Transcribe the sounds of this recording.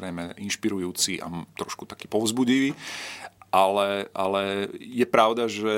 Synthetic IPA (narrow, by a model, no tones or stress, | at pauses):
ɾɛjmɛinʃpiɾujuːt͡siʔa̰t̪ɾɔʃku̥t̪ḁkiːpɔʊzbuɟiʋiː | ʔalɛʔalɛjɛpɾaʊd̪aʒɛ